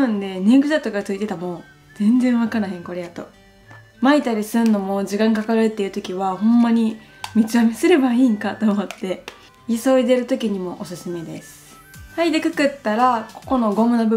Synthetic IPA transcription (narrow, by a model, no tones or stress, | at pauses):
ɯ̃nd̪e̞neɡɯ̟ʑat̪okat͡sɨit̪e̞t̪amo̞ː | z̥ẽ̞nd͡zẽɰ̃βakaɾɯɦẽŋko̞ɾe̞jat̪o̞̰ | mait̪aɾʲisɨ̃nːo̞mo̞ʑikãŋkakaɾɯt̪ːe̞iɯ̟t̪o̞kʲiβahõ̞mːaɲ̟i | mʲit͡sɨamesɨɾe̞baiːŋkat̪o̞ːmo̞t̪ːe̞ | iso̞id̪e̞ɾɯ̟t̪o̞kʲiɲ̟imo̞ʔosɨsɨme̞d̪e̞̰sɨ̥ | haid̪ekɯ̟kɯ̟t̪ːaɾako̞̥ko̞no̞ɡo̞mɯ̟nobɯ